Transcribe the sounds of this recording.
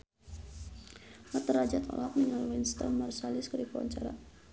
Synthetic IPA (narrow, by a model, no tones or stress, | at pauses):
mat̪əɾad͡ʒat̪ɔ̰lak̚niŋalwinst̪ɔ̰mmarsalɪskəɾipawa̰ɲt͡ʃaɾa̰